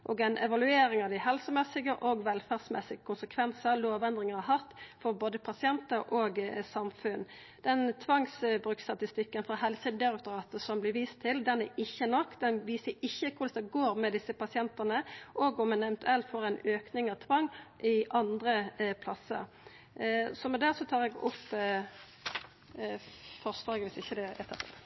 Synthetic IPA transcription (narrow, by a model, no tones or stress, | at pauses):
ʔoːɡæɪnʔɛ̰ʋɑlʉeːɾɪŋɑʋd̪ɪhɛlsəmɛsɪɡəʔoɡʋɛlfæːʁsmɛ̰sɪɡəkʰʊnsəkʰʋɛnsəɾloːʋɛnd̪ʁɪŋəɦɑt̪fɔɾboːd̪əpʰɑsɪɛnt̪əɾʔoːɡsɑmfʉn | d̪ɛnt̪ʰʋɑŋsbɾʉːkst̪ɑt̪ɪst̪ɪkːənfɾɔɦɛlsəd̪ɪɾɛk̚t̪ʊɾɑːt̪əsɔmblɪʋiːst̪ʰːɪld̪ɛnæɪçːənɔkːd̪ɛnʋiːsəɪçːəkʰʊɾd̪ɛsd̪əɡoːɾmɛd̪ɪsəpɑsɪɛnt̪ənəʔoɡɔmɛnɛʋɛnt̪ʉɛlt̪fɔːɾɛɪnøːknɪŋɑʋt̪ʰʋɑŋːʔɪʔɑnd̪ɾəpʰlɑsːə̰ɾ | sɔmɛd̪æːʁsɔt̪ʰɑːʁɛɡʊpː | fɔʁslɑːɡəʋɪsɪçːəd̪ɛɛt̪ʰːət̪ə̰l